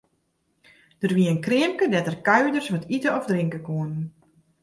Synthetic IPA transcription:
d̥ərʋiənkrɪəmkədɛtərkaɥdərsʋɔtʰitəɔfdrɪŋkəkuənn

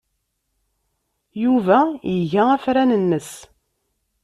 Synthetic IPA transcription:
juvæjəʝææfɾænənːəs

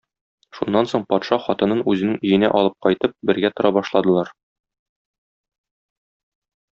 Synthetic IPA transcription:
ʃunːɑnsoɴpɒt̪ʃɑχɒt̪ɤ̆nɤnʉzɘ̆nɘŋɵ̆jɘ̆næ̰ʔɒlˠɤp̚qɒjt̪ɤp̚bɘ̆ɾɡæt̪ŏɾɑbɒʃlˠɑd̪ɤ̆lˠɑɾ

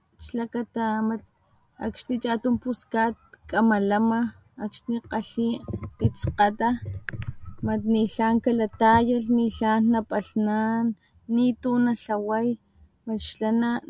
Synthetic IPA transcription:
ʃlakat̪amat̪̚ | a̰kʃnit͡ʃʼat̪umpuskat̪̚kʼamalamaː | kʃniqaɬiit͡sqat̪a | mat̪niɬaːŋkalat̪ajaɬniɬanːapʼaɬnanː | it̪unaɬawaj | maʃlana

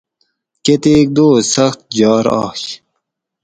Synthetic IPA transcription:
ket̪eːk̚d̪oːsɐxt̪̚d͡ʑɑːɾɑ̰ːɕ

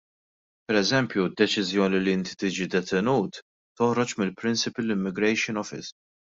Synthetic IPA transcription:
pɛɾɛzɛmpjud̪ːɛt͡ʃɪzjɔːniliɪnt̪i̥t̪ɪd͡ʒid̪ɛt̪ʰɛnuːt̪ | t̪ːɔhɾɔt͡ʃmɪlpɾɪnsɪpɪlːɪmːɪɡɾɛjʃɪnɔfɪ̰s

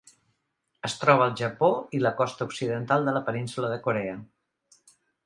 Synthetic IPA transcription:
əst̪ɾɔβ̞əːlˠʒəpoiləkɔst̪əuksiðənt̪alˠd̪ələpəninsuləðəkuɾɛə

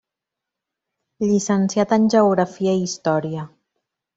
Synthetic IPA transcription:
ʎisənsiat̪ənʲʒəuɣɾəfiəiist̪ɔɾiə

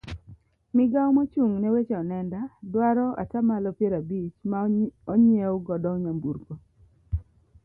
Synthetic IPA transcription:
mɪɡawmɔt͡ʃuŋnɛwet͡ʃɛɔnɛndadwaɾɔʔa̰tamalɔpjeɾabit͡ʃmaɔɲewʊɡɔdɔɲambuɾko

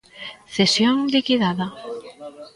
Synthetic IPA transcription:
θesjoŋlikiðaða

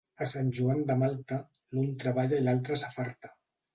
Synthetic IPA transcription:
əsanʲʒuand̪əmalˠt̪a | lunt̪ɾəβaʎailalˠt̪ɾəsafaɾt̪ḁ

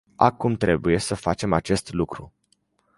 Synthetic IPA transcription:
a̰kumt̪ɾe̞buje̞səfat͡ʃe̞mat͡ʃe̞st̪lukɾu

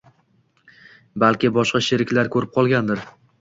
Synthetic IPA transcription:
balkʲɪbɒʃqɑʃɪɾɪkʲlaɾkʰɵɾɪp̚qʰɒlˠɡʲand̪ɪɾ

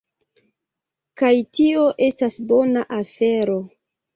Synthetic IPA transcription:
kajtio̞ʔe̞stasbo̞naʔafe̞ɾo̞

